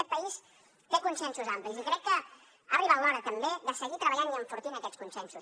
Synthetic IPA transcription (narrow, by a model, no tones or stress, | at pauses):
ɛt̪̚pəis | t̪ekunsɛnsuzamplizikɾɛkːə | ariβalɔɾət̪əmbeðəsəɣit̪ɾəβəʎaniəɱfuɾt̪inəkɛt͡skunsɛnsus